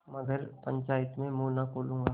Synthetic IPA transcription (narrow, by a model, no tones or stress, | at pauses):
mɐɡəɾpɐ̃ɲt͡ʃaːjət̪mẽmuːnakʰoːlũːŋɡaː